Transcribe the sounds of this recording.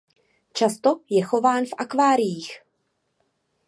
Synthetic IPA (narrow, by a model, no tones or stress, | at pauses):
t͡ʃast̪o̞jɛxo̞vaːnfʔakvaːɾɪjiːx